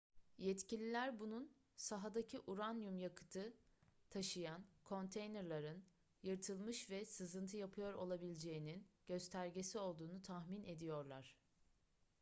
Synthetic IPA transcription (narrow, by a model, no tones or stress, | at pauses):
jɛt̪cilʲilʲæɾbunun | saɦad̪acʰiʔuɾanjumjakʰɯ̥t̪ʰɯt̪ʰaʃɯjankʰo̞nt̪ʰejnɛɾlˠaɾɯn | jɯɾt̪ʰɯlˠmɯʃvɛsɯzɯnt̪ʰɯjapʰɯjo̞ɾo̞̰lˠabilʲd͡ʒe̞jininɟ̥ø̞st̪ʰæɾɟe̞sio̞lˠd̪uːnut̪ʰahminʔe̞d̪ijo̞ɾlˠaɾ̝̥